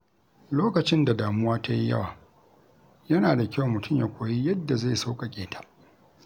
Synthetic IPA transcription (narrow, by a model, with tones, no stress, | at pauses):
loː˦kɐ˨t͡ʃɪ˦nda˨daː˨mʊ˦waː˦ta˦ji˦jɐ̰˦waː˨ | jɐ˦naː˨da˨kʲa˦wmʊ˨tʰʊ˦mja˨kʷʰoː˨ji˦jɐ˦dːa˨za˦˨sa˦wkʼa˨kʲʼeː˨tʰḁ˦˨